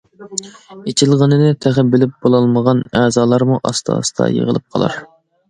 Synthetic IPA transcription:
et͡ʃʰilˠʁənɨnɨt̪ʰæχæbɪlɪp̚b̥olˠɑlˠməʁɑnæːzɑːlˠɑɾmuʔɑst̪ʰɑ̰ːst̪ʰɑ̰jḛʁə̰lˠɨp̚qʰɑ̰lˠɑ̰ɾ

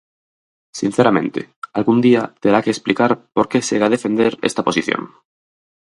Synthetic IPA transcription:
sin̟θeɾamẽ̞nt̪ḛalɣund̪iat̪eɾakeːsplikaɾpoɾkeseɣaðefẽnd̪eɾḛst̪aposiθjo̰ŋ

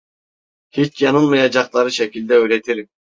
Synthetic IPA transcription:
hit͡ʃkijɑnɯlˠmɑjɑd͡ʒɑqlˠɑɾɯʃɛkʲilʲd̪ɛøɾɛt̪ʰiɾ

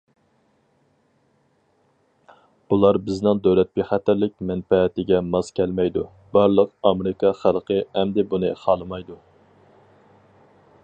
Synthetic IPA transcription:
ulˠɑɾbɪznɨŋd̪øwlɛt̪̚bɪχæt̪ɪɾlɪk̚ʲmɛnpɛt̪ɪɡʲɛmɑzkʲʰɛlmɛjd̪u | bɑɾlˠəqɑmeɾɪkʰɑχælˠqʰəɛmd̪ɪbunɨχɑlˠɨmɑjd̪u

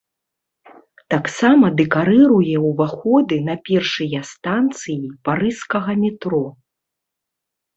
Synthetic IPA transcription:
t̪aksamɐd̪ɛkaɾɨɾujɛwvaxɔd̪ɨnɐpʲɛrʂɨjɐst̪ant̪sɨjipaɾɨskɐɣɐmʲɛt̪ɾɔ

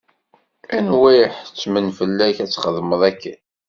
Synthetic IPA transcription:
ænwæjħt͡sːmənfəlːæçæt͡sːχəðməðˤækːæn

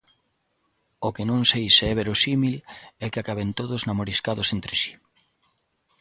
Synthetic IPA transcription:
okenõŋsejseɛβeɾosimilɛkeakaβent̪oðʊznamoɾiskaðʊsent̪ɾɪsi̥

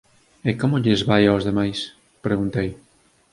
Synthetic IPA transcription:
ekomʊʎɪzβajaozðemajs | pɾeɣunt̪ej

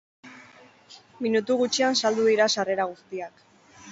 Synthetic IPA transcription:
minut̪uɣut͡ʃiansald̪uðiɾasare̞ɾaɣ̞ust̪iak

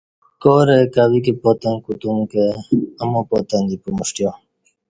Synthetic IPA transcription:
koːɾekaːwikepoːt̪ẽnkut̪umkeɐmõːpot̪ẽnd̪ipomuɕʈijoː

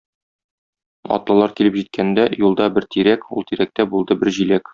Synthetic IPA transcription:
ɒ̰t̪lˠɤ̆lˠɑɾkilɘpʑit̪̚kʰænd̪æjulˠd̪ɑbɘɾt̪ʰiɾækulˠt̪iɾæk̚t̪æbulˠd̪ɤbɘɾʑilæk

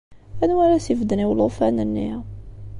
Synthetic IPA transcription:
ænwæɾæsivd̪əniwlfænənːḭ

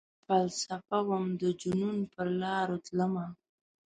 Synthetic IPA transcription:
falsafawamd̪əd͡ʒununpəɾlɑɾot̪ləma

